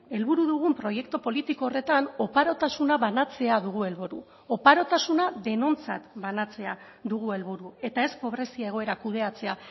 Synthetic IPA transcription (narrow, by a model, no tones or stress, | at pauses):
e̞lβuɾuðuɣ̞umpɾo̞je̞kt̪opo̞lit̪iko̞ːre̞t̪ano̞paɾo̞t̪asunaβanat͡se̞aðuɣ̞ue̞lβuɾu | o̞paɾo̞t̪asunaðe̞no̞nt͡sa̰t̪banat͡se̞a | ðuɣue̞lβuɾue̞t̪ae̞spo̞β̞ɾe̞siae̞ɣo̞e̞ɾakuðe̞at͡se̞a